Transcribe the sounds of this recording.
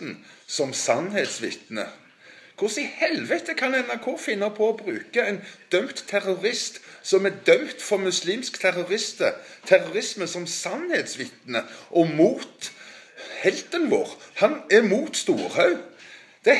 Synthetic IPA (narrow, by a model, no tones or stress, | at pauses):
n̩sɔmsɑnheːt̪sʋɪ̰t̪nə̰ | kʰʊsɪhɛlʋət̪əkʰɑnɛnɑɾkʰuːfɪnːəpʰɔɔbɾʉːkəɛɪnd̪̥œmt̪ʰːæʁʊɾɪst̪sɔmæd̪œmt̪fɔɾmʉsliːmskt̪ʰæɾʊʁɪst̪ət̪ʰæʁʊɾɪsməsɔmsɑnheːt̪sʋɪt̪nəʔɔmuːt̪ | hɛlt̪ənʋo̰ːʁhɑnæɾmuːt̪st̪uːɾhɑʉ | d̪̥ɛ